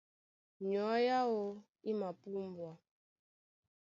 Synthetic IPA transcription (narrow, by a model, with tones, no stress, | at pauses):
ɲɔ˨˦ja˦o˦ | i˦ma˨pu˦mbwa˨